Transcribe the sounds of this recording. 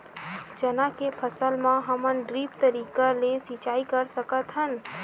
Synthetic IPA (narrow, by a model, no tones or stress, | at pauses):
d͡ʒənakepʰəsəlmãɦəmənɖɾipt̪əɾiːkalesit͡ʃaːikəɾsəkət̪ɦən